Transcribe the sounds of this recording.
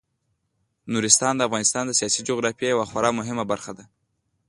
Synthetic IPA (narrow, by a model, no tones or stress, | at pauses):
nuɾɪst̪ɑnd̪əafɣɑnɪst̪ɑnd̪əsijɑsid͡ʒoɣɾɑfjejawaxwaɾɑmʊɦɪmabaɾxad̪a